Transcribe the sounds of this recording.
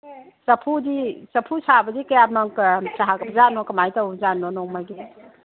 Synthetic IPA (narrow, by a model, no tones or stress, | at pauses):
sɐpʰudisɐpʰusabɐdikɐjamɐktaɦakɐbzanɔkɐmajtawzanːɔnɔŋmajɡi